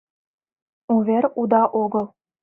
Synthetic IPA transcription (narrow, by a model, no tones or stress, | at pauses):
uβʲeɾʲud̪ɑʔoɡɤ̆lˠ